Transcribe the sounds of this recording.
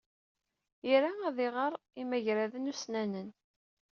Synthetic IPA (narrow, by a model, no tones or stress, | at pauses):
iɾaæðɪʁəɾˤ | imæʝɾæðənusnænən